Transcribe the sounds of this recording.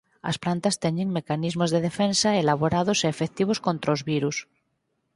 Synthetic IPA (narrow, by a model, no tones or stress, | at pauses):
a̰splant̪ast̪eɲẽŋmekanizmozðeð̞efensaelaβ̞oɾað̞oseːfek̚t̪iβ̞oskont̪ɾaozβiɾus